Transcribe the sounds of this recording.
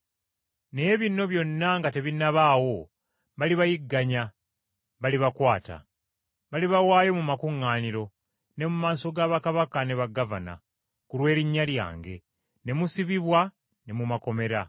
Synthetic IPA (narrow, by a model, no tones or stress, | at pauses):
neβino̞βjo̞nːaŋɡate̞βinaβaːwo̞ | βaliβajiɡːaɲa | βaliβakwaːta̰ | βaliβawaːjo̞mumakuŋːaːniɾo̞ | ne̞mumaːso̞ɡaːβakaβakane̞βaɡava̰na̰ | kulwe̞ːɾiɲːalja̰ːŋɡe̞̰ | ne̞musiβiβwa | ne̞mumako̞me̞ɾa